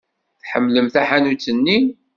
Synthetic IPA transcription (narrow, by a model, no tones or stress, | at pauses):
θħəmːləmθæħanut͡sːənːi